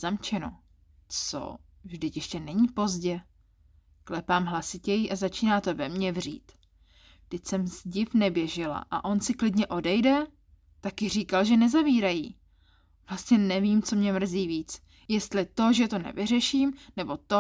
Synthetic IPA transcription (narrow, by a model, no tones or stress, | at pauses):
zamt͡ʃɛno̞̰ | t͡so̞̰ | vʒdɪcjɛʃcɛnɛɲiːpo̞zɟɛ | klɛpaːmɦlasɪcɛjiʔazat͡ʃiːnaːt̪o̞vɛmɲɛvr̝ḭːt̪ | vdɪcsɛmzɟɪfnɛbjɛʒɪla̰ʔa̰ʔo̞nsɪklɪdɲɛʔo̞dɛjdɛ | t̪akɪr̝iːkalʒɛnɛzaviːɾajiː | vlast̪ɲɛnɛviːmt͡so̞mɲɛmr̩ziːviːt͡s | jɛst̪lɪt̪o̞ʒɛt̪o̞nɛ̰vɪr̝ɛʃiːmnɛbo̞t̪o